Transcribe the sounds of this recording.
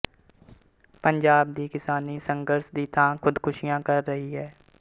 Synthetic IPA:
pəɲd͡ʒaːb̚d̪iːkɪsaːnisə̃ŋɡəɾʃd̪iːt̪ãːkʰʊd̪kʰʊʃɪjãːkəɾːəɦiɦɛː

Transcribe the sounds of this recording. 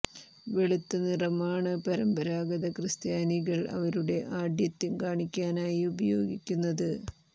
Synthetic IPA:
ʋeɭut̪ːɐnirɐmaːɳɨpɐɾɐmbɐɾaːɡɐðɐkrɨst̪jaːniɣɐɭʔɐ̰ʋɐɾuɽe̞ʔaːɖjɐt̪ːinkaːɳikʲːaːnaːjiubɐjo̞ːɡikʲːunːɐðɨ

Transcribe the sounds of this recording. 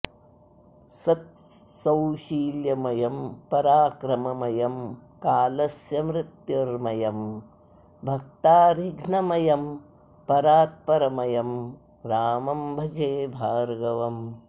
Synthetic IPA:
sɐt̪sɐwʃiːljɐmɐjɐmpɐɾaːkɾɐmɐmɐjɐmkaːlɐsjɐmɾɪt̪joɾmɐjɐm | bʱɐk̚t̪aːɾiɡʱnɐmɐjɐm | pɐɾaːt̪̚pɐɾɐmɐjɐm | ɾaːmɐmbʱɐd͡ʒeːbʱaːɾɡɐʋɐm

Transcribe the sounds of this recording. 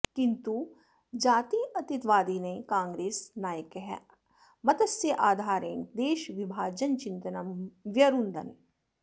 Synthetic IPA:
kɪnt̪u | d͡ʒaːt̪iːʔɐt̪it̪ʋaːd̪iːnekãːŋɡɾeːsnaːjəkeɦɛ̰ | mɐt̪ɐsjɐʔaːd̪ʱaːɾḛ̃ːnd̪eːʃʋibʱaːd͡ʒɐnt͡ʃɪ̃nt̪ɐnɐmʋjɐɾund̪ɐ̰n

